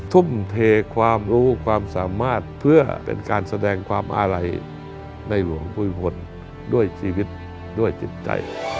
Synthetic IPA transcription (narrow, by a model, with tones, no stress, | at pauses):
t̪ʰu˧˥˩mt̪ʰeː˧kʰwaː˧mɾuː˦˥kʰwaː˧msaː˨˦maː˧˥˩t̪̚pʰɯ˧˩ɐpḛ˨˧nkaː˨˧nsa˧dɛː˧ŋkʰwaː˧mʔa̰ː˧la˧j | na˧˩jlu˨˦əŋpuː˧˩jpʰo˧n | du˥˩əjsiː˧wi˧˦˥t̪̚ | du˥˩əjt͡ɕi˧˦t̪̚t͡ɕa̰˧˨j